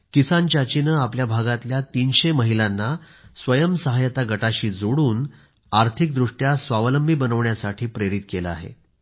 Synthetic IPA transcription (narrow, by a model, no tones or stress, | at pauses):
kisant͡ɕat͡ɕinəapljabʱaɡat̪ljat̪iːnɕeməɦilanːa | sʋəjəmsəɦajət̪aɡəʈaɕiːd͡zoɽuːn | aɾt̪ʰik̚d̪ɾuʂʈjasʋaʋləmbʱibənəʋɳjasaʈʰiːpɾeɾit̪keləa̰ɦḛ